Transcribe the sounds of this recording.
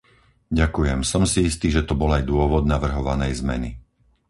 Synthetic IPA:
ɟakujɛmsɔmsiist̪iːʒɛt̪ɔbɔlajd̪ʊɔʋɔd̪naʋr̩ɦɔʋa̰nɛjzmɛ̰ni

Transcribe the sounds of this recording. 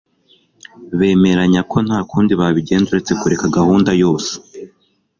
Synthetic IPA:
βe̞ːme̞ɾaɲakʰo̞n̥haːkuːndiβaβiɟe̞ːnduɾet͡se̞kuɾe̞kaɡahuːndajo̞ːse̥

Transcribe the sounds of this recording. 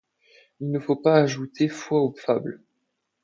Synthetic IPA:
ilnəfopaːʒut̪ʰefwaufabl

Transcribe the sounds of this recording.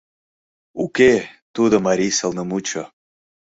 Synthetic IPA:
uket̪ud̪omaɾʲisəlˠnəmut͡ɕo

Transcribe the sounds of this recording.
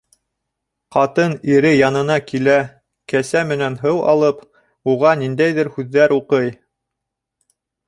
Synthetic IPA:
qɑt̪ɤniɾɘjɑnɤ̆nɑkilæ | kæsæmɘ̆nænɦɤwɑ̰lˠɤp | uʁɑnind̪æjðɘɾhʉðːæɾuqɤj

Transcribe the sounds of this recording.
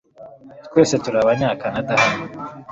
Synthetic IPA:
twe̞ːse̞tuɾaβaɲaːkanadahano

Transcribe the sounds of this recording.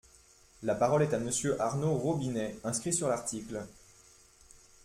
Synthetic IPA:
lapaʁɔlɛt̪aməsjøʔaʁnoʁobinɛɛ̃skχisyʁlaʁt̪ikl

